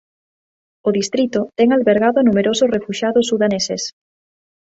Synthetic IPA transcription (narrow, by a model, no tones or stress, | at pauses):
oðist̪ɾit̪ʊt̪ɛŋalβeɾɣaðʊanumeɾosʊsrefuʃaðʊsːuðaneses